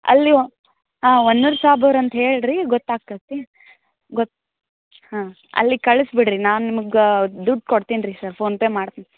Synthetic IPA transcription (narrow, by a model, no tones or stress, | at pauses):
ɐ̰lːi | ɦaːonːuɾsaːbɐʋɾɐnt̪ɐɦeːɭɾiɡɔt̪ːaːɡ̚t̪ɐt̪i | ɡɔt̪ː | hãː | ɐ̰lːikɐɭusbiɽɾinaːnnimɐɡd̪uɖ̚koɽt̪inɾisɐɾpʰoːnpeːmaːɽt̪ini